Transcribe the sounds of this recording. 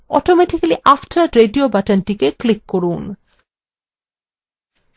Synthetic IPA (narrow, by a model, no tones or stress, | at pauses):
ɔ̰ʈomɛʈikaliʔafʈʰaɾɾeɖiobaʈənʈikeklikːoɾun